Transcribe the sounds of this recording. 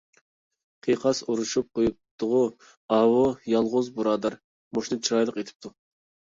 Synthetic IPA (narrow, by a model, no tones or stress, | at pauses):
qʰijqʰɑsuɾuʃup̚qʰojup̚t̪ʰʊʁʊ | ɑwojɑlˠʁʊzbuɾɑːd̪ɑɾ | moʃnɨt͡ʃʰiɾɑjlˠəqet̪ʰɪ̥p̚t̪ʰu